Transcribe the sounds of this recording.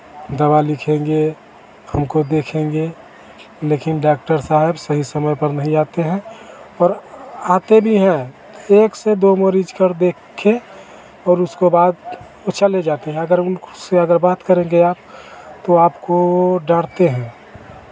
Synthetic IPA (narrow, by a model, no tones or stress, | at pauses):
d̪ɐbalɪkʰẽŋɡe | həmkod̪eːkʰẽːŋɡe | leːkɪnɖaːk̚ʈəɾsaːɦɪbsəɦisəməjpəɾnɐɦĩaːt̪eɦɛ̃ɔːɾaːt̪ebʱiɦɛ̃ | eːksed̪oməɾid͡ʒkəɾd̪eːkʰːe | ɔːɾʊskebaːd̪ | ot͡ʃəled͡ʒaːt̪eɦɛ̃ɐɡəɾʊnseəɡəɾbaːt̪kəɾẽŋɡeaːp̚t̪oaːpkoɖaːɽt̪eɦɛ̃ː